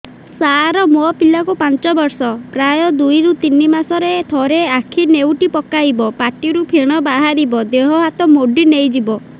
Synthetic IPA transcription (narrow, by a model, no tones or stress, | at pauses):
saɾɔmopilakupant͡ʃɔbɔɾsɔpɾajɔd̪ujɾut̪inimasɔɾet̪ʰɔɾeakʰinewʈipɔkajbɔpaʈiɾupʰeɽ̃ɔbaɦaɾibɔd̪eɦɔɦat̪ɔmoɖinejd͡ʒibɔ